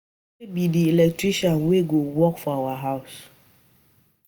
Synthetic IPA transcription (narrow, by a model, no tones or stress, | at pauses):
ebidielɛk̚tɹiʃanweɡowɔkfɔawaɦaʊs